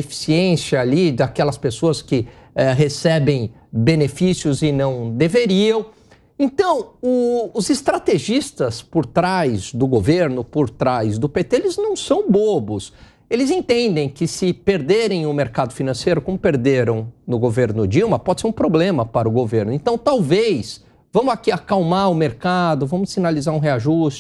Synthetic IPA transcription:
efi̥siẽsjɐalid̪akɛlɐspesoɐskɪɛɦesɛbẽj̃ | benefisjʊzɪnɐ̃w̃d̪eveɾiɐ̃w̃ | ẽnt̪ɐ̃w̃ʊːzɪst̪ɾat̪eʒist̪ɐspoɾt̪ɾajzd̪ʊɡoveɾnʊpoɾt̪ɾajzd̪ʊpet̪eelɪznɐ̃w̃sɐ̃w̃bobʊs | elɪzẽnt̪ẽnd̪ẽj̃kɪsɪpeɾd̪eɾẽj̃ʊmeɾkad̪ʊfinɐ̃sejɾʊkõmʊpeɾd̪eɾɐ̃w̃nʊɡoveɾnʊd͡ʒiwmɐpɔd͡ʒɪseɾũpɾoblẽmɐpaɾʊɡoveɾnʊẽnt̪ɐ̃w̃t̪awvejs | vɐ̃mʊzakiakawmaɾʊmeɾkad̪ʊvɐ̃mʊssinalizaɾũɦeaʒust͡ʃɪ

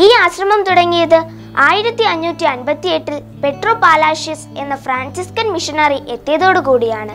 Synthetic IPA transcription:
iːaːɕrɐmɐmt̪uɽɐŋːijɐðɨ | aːjiɾɐt̪ːiɐɲːuːtːiɐnbɐt̪ːie̞ʈːil | pe̞ʈroːpaːlaːʂise̞nːɐfɾaːnsiskɐnmiʂɐnɐriʔe̞t̪ːɐjɐðo̞ːɽɨkuːɽijaːɳɨ

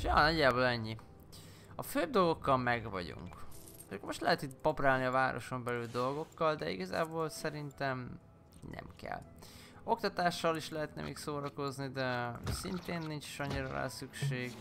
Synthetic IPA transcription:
ʃjɒ̰ːnɒɟːaːboːlɛɲːi | ɒføːb̚d̪o̞lɡo̞kːɒlmɛɡvɒ̰ɟṵŋk | ʃkːomo̞ʃt̪lɛɦɛt̪it̪pɒpraːlniɒvaːɾo̞̰ʃo̞mbɛlyld̪o̞lɡo̞kːɒld̪ɛḭɡɒza̰ːboːlsɛɾint̪ɛm | nʔɛ̰mkɛ̰lː | o̞k̚t̪ɒt̪aːʃːɒliʃlɛɦɛt̪nɛ̰mḛːksoːɾɒko̞znid̪ɛsint̪eːnːint͡ʃi̥ʃɒɲːiɾɒ̰lɛ̰lsykʃeːɡ

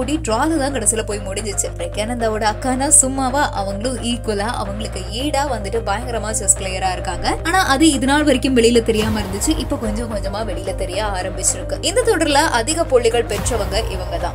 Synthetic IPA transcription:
uɽiʈɾaːlɐt̪ãːkɐɽɐsɪlɐpoːjmʊɽɪɲd͡ʒɯt͡ʃːɯɾɐkːɐnɐnd̪aːʋoɽɯɐkːaːnaːsʊmːaːʋaːʔɐʋɐŋɡɐɭɯ̃ʔiːkɐlaːʔɐ̰ʋɐŋɡɐɭɯkːɯiːɽaːʋɐnd̪ɯʈːɯbɐːjɐŋɡɐɾɐmaːsɐsklejɐɾaːɪɾɯkːaːŋɡɐaːnaːʔɐðɯɪðɯnaːɭʋɐɾɪkʲːɯmʋɛɭɪjɪlɐt̪ɛɾɪjaːmɐɪɾɯnd̪ɯt͡ʃːɯʔɪpːoːkɔɲd͡ʒɔ̃kɔɲd͡ʒɐmaːʋɛɭɪjɪlɐt̪ɛɾɪjaːaːɾɐmbɪt͡ʃːɪɾɯkːɯɪnd̪ɐt̪ɔɽɐɾɪlɐʔɐðɪɣɐpoɭːɪɣɐɭpɛʈrɐʋɐŋɡɐʔɪʋɐŋɡɐt̪ã̰ː

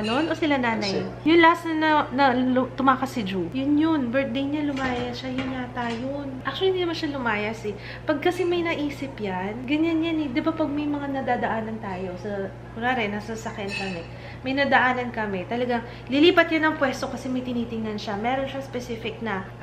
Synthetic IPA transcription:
no̞nʔo̞sɪlanaːnɐjjʊnlɐhasnɐnɐnɐt̪ʊmaːkɐsːɪd͡ʒujʊnjʊnbɛɹt̪̚d̪ejɲalʊmaːjɐsʃajʊnŋat̪ajonʔak̚t͡ʃʊliɪnd̪inɐmanʃalʊmaːjɐsɛ | pɐɡ̚kɐsɛmɐjnɐʔiːsɪpjanɡɐɲanjanɛd̪ɪbapɐɡ̚mɐjmɐŋanɐd̪aːd̪ɐʔaːnɐnt̪aːjo̞sɐ | ɡʊlaːɾɛnɐsɐsɐkjɐnkɐmɛ | mɐjnɐd̪ɐʔaːnɐnkɐmɛt̪ɐlɐɡaŋ | lɪliːpɐt̪̚janɐŋpwɛst̪o̞kɐsɛmɐjt̪ɪniːt̪ɪŋnɐnʃamɛːɾo̞nʃaspɛsifɪk̚nɐ

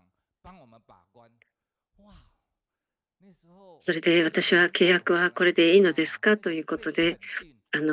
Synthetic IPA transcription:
so̞ɾe̞d̪e̞β̞at̪aɕiβake̞ːjakɯ̟βako̞ɾe̞d̪e̞iːno̞d̪e̞sɨ̥kat̪o̞jɯ̟ːko̞t̪o̞d̪e̞ | ano

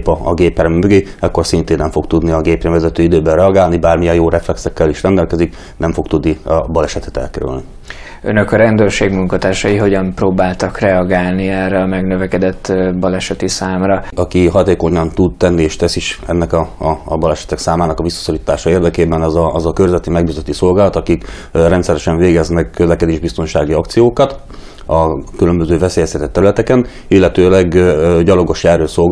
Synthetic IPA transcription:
pɒːɡeːpɛɾmmøɡeɛkːo̞rsint̪eːnːɛmɱfo̞kt̪ud̪niɒɡeːpɾɛɱvɛzɛt̪øːid̪øːbɛrɛɒɡaːlnibaːrmijɛjjoːɾɛflɛksɛkːɛliʃrɛnd̪ɛlkɛzik | nɛɱfo̞k̚t̪ud̪niɒbɒlɛʃɛt̪ɛ̥t̪ɛ̰lkɛɾy̰lni | ø̰nøkɒɾɛnd̪øːrʃeːɡmuŋkɒt̪aːʃɒjiɦo̞ɟɒmproːbaːlt̪ɒkrɛɒɡaːlniɛrːɛɒmɛɡnøvɛkɛd̪ɛt̪ːbɒlɛʃɛt̪isaːmɾɒɒkiɦɒt̪eːko̞ɲɒnt̪ud̪t̪ɛnːieːʃt̪ɛsiʃɛnːɛkɒbɒlɛʃɛ̥t̪ɛksaːmaːnɒkɒvisːɒ̥soliːt̪aːʃɒeːrd̪ɛkeːbɛnɛzɒzɒkørzɛt̪ːimɛɡ̚biːzøt̪ːiso̞lɡaːlɒt̪ɒkik | rɛnt̪sɛɾɛʃɛɱveːɡɛznɛkːøzlɛkɛd̪eːʒbist̪o̞nʃaːɡiɒkt̪sijoːkɒt̪ | ɒkylø̞mbøzøːvɛseːjɛst̪ʰɛt̪ɛt̪ːɛɾylɛt̪ɛkɛn | ilːɛt̪øːlɛɡɟɒlo̞ɡo̞ʃjɛːrøːso̞lɡ

